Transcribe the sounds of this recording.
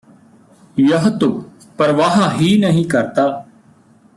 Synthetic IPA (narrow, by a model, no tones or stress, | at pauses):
jəɦt̪ʊ | pəɾʋaːɦaːɦiːnəɦĩːkəɾt̪aː